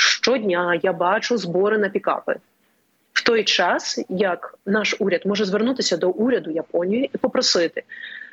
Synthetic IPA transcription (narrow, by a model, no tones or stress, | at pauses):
ʃt͡ʃɔdʲnʲajabɑt͡ʃʊzbɔɾɪnɐpʲikɑ̰pɪ̰ | w̥t̪ɔjt͡ʃɑsjɐknɑʃuɾʲɐd̪mɔʒɛzʋernut̪ɪsʲɐd̪ɔʔuɾʲɐd̪ʊjɐpɔnʲijiipɔpɾɔsɪt̪ɪ